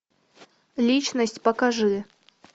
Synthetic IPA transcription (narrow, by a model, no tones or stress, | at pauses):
lʲit͡ʃnəsʲtʲpɐkaʐɨ